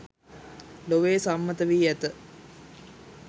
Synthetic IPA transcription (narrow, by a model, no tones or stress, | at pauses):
loʋeːsamːət̪əʋiːæt̪ə